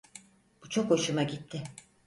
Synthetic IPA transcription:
b̥ut͡ʃʰo̞kho̞ʃumaɟit̪ʰːɪ

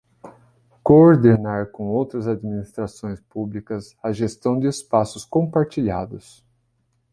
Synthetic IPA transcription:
kooɾd̪enaɾkõowt̪ɾɐzad̪minist̪ɾasõj̃spublikɐz | ɐʒest̪ɐ̃w̃d̪ɪːspasʊskõpaɾt͡ʃiʎa̰d̪ʊs

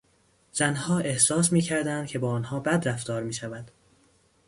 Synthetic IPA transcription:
z̥ænhɒːʔe̞hsɒːsmiːcʰæɾd̪ænd̪̚cʰe̞bɒːɒːnhɒːbæd̪ɾæft̪ɒːɾmiːʃævæd̪̥

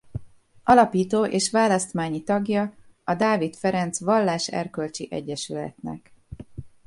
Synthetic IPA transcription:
ɒlɒpiːt̪oːʔeːʃʋaːlɒst̪maːɲit̪ɒɡjɒ | ɒd̪aːvit̪fɛɾɛnt̪sʋɒlːaːʃɛ̰rkølt͡ʃiʔɛ̰ɟːɛʃylɛ̰t̪nɛ̰k

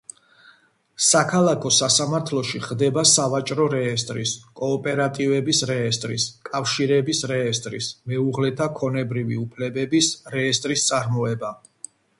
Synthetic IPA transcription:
sakʰalˠakʰɔsasamaɾt̪ʰlˠɔʃiχd̪ɛbasavat͡ʃʼɾɔɾɛːst̪ʼɾiskʼɔːpʼɛɾat̪ʼivɛbisɾɛːst̪ʼɾiskʼafʃiɾɛbisɾɛːst̪ʼɾismɛuʁlɛt̪ʰakʰɔnɛbɾiviupʰlɛbɛbisɾɛːst̪ʼɾist̪sʼaɾmɔɛba

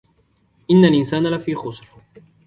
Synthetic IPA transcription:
ʔɪnːalʔɪnsaːnlafiːxʊsˤɾ

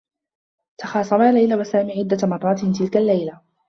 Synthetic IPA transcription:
t̪ɑxɑːsˤɑmaːlajlawasaːmiːʕɪd̪ːamɑrˤːɑːt̪t̪ɪlkalːajla

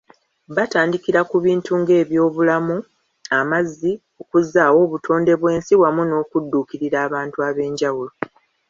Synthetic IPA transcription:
βataːndikiɾakuβiːntʰuŋɡe̞ːβjo̞ːβulamu | amazːi | o̞kuzːaːwo̞ːβutʰo̞ːnde̞βwe̞ːnsiwamuno̞ːkudːuːkiɾiɾaːβaːntuaβe̞ːɲɟawulo

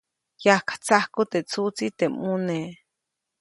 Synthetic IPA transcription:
jahkḁt͡sahkut̪et͡sut͡sit̪emune

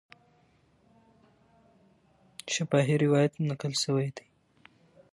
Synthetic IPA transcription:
ʃapɑɦiɾɪwɑjat̪nakəlʃəwajd̪aj

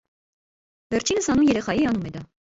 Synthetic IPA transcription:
vɛɾt͡ʃʰinəshɑnumjɛɾɛχɑjiɑnumɛd̪ɑ

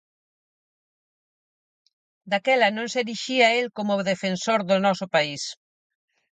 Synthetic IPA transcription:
d̪akɛlɐnõnseɾiʃiaelkomʊðefensoɾðʊnɔsʊpais

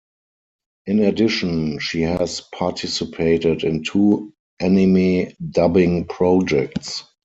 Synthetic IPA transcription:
ʔɪ̃nɛdɪʃɔ̃nʃiːhɛzpʰatʰɪsɪpʰeɪtɪdɪ̃ntʰuː | ʔɛnɪmidabɪ̃ŋpʰɹɔd͡ʒɛk̚ts

